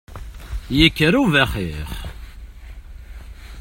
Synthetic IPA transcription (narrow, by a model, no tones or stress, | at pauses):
jəkːəɾuvæχiχ